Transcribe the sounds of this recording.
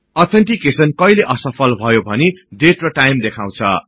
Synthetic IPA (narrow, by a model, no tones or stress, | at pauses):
ʌt̪ʰenʈikesʌnkʌjleʔʌsʌpʰʌlbʱʌjobʱʌneɖeʈrʌʈajmd̪ekʰãw̃t͡sʰʌ̰